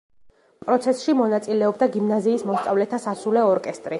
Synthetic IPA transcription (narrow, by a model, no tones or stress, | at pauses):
pʼɾɔt̪sʰɛsʃimɔnat̪sʼilɛɔbd̪aɡimnaziːsmɔst̪sʼavlɛt̪ʰasasulɛɔɾkʼɛst̪ʼɾi